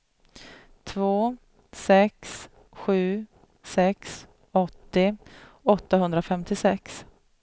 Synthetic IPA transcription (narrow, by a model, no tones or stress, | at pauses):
t̪ʰvoː | sɛks | ɧʉ̟ː | sɛks | ɔt̪ːɪ | ɔt̪ːaɦɵnd̪ɾafɛmt̪ɪsɛks